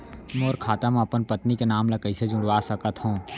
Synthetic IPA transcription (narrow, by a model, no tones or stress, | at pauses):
mɔːɾkʰaːt̪amẽɐpənpət̪nikenaːmlɐkəised͡ʒʊ̃ɽʋasɐkət̪ɦõː